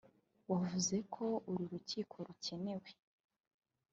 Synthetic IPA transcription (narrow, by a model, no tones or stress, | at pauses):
wavuze̞kʰo̞uɾiɾuciːkʰo̞ɾuce̞ne̞we